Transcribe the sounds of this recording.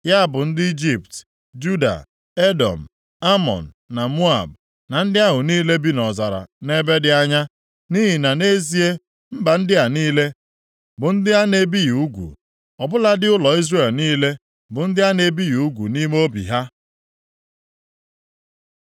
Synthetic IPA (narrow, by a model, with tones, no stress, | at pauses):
ja˦bʊ˨n̩˦dɪ˦i˦d͡ʒi˦pt | d͡ʒu˦da̰˨ | e˦dɔ̰˨m̩˨ | a˦mɔ̰˨n̩˨na˨mu˦a̰˨b̚ | na˨n̩˦dɪ˦a˦ɦʊ˨niː˦le˦bi˦nɔ˨za˨ɾa̰˨ne˦be˦dɪ˦a˦ɲa˦ | ni˦ɦi˨na˨ne˦zi˦e˦ | m̩˦ba˨n̩˦dɪ˦a˨niː˦le˦ | bʊ˨n̩˦dɪ˦a˦ne˨bi˦ju˨u˦ɡʷṵ˨ | ɔ˨bʊ˦la˦dɪ˦ʊ˦lɔ˨i˦zre˦˨lniː˦le˦ | bʊ˨n̩˦dɪ˦a˦ne˨bi˦ju˨u˦ɡʷu˨ni˦m˦o˦bḭ˨ɦa˦